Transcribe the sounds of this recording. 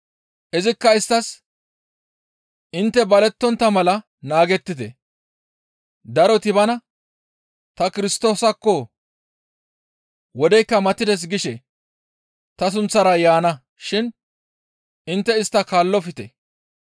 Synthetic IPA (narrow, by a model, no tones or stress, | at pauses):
ʔɛzɪkːɐɪst̪ːɐs | ʔɪnt̪ːɛbɐlɛt̪ːɔnt̪ːɐmɐlɐ | naːɡɛt̪ːɪt̪ɛ | d̪ɐɾɔt̪ɪbɐnɐ | t̪ɐkɪɾɪst̪o̞ːsɐkːɔ | wɔd̪ɛjkːɐmɐt̪ːɪd̪ɛs̬ɡɪʃɛ | t̪ɐs̬ʊnt͡sːɐɾɐjaːnɐ | ʃɪn | ɪnt̪ːɛɪst̪ːɐkaːlːɔfɪt̪ɛ